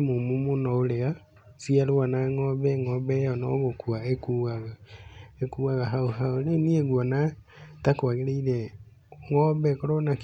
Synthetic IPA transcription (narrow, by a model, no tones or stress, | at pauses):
momumonɔolea | siaɾowanaŋɔβɛŋɔβɛjɔnɔ̰βokuaekuaɣaekuːɣaɣaɦaoɦaonenieɣwɔna | takwaɣeɾeiɾɛ | ŋɔβɛkoɾonak